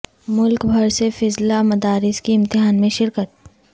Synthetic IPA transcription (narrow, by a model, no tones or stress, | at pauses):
mʊlkbʱɐɾsefɪzlamɐd̪aːɾɪskiɪ̃mt̪ɪɦaːnmẽʃɪɾkət̪̚